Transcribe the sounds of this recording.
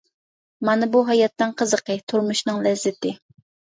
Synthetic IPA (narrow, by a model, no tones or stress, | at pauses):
mɑnɨbuɦɑjɑt̪ːɨnqʰəzəqət̪ʰuɾmuʃnɨŋlɛzːɪt̪ɪ